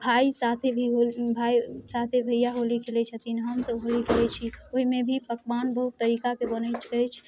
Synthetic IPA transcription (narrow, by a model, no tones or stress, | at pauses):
bʱaisat̪ʰebʱiɦobʱaisat̪ʰebʱəjaɦolikʰelɛt͡ʃʰət̪inɦəmsəbɦolikʰelɛt͡ʃʰioɦimẽbʱipəkbanbəɦut̪ːəɾikakebənət͡ʃʰət͡ʃʰ